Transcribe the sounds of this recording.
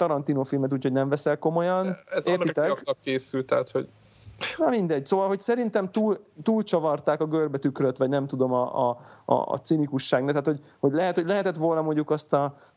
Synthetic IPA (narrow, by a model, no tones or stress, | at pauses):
t̪ɒɾɒnt̪iːnofilmɛt̪uːcʰho̞ɟnɛɱvɛsɛlko̞mo̞jɒnɛzeːrit̪ɛkt̪ɒkeːsylt̪ɛɦat̪ho̰ɟ | nɒmind̪ɛɟsoːvɒlɦocsɛɾint̪ɛmt̪uːlt̪uːlt͡ʃɒvɒrt̪aːkɒɡørbɛt̪ykrøt̪ʋɒɟnɛmt̪ud̪o̞mɒ̰ɒ̰ːt̪sinikuʃːaːɡnat̪aːt̪ho̞ɟho̞ɟlɛɦɛt̪hoɟlɛɦɛt̪ɛt̪ʋo̞lnɒmo̞ɲɟukɒst̪ɒ